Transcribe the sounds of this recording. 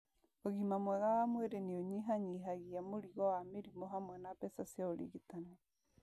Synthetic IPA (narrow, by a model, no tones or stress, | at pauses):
oɣimamwɛɣawamweɾenioɲiɦaɲiɦaɣiamoɾiɣɔwameɾimoɦamwɛnapɛsasjaoɾḭɣitanɛ